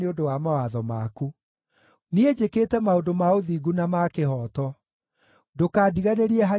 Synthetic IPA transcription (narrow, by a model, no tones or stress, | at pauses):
eodowamawaðɔmaku | nied͡ʑeketɛmaodomaoðiɡunamakehɔːtɔ | dokaːdiɣaneɾiɛɦa